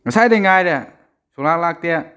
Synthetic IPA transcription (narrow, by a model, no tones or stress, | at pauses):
ŋasaidɛŋaidɛa | sulalak̚t̪ia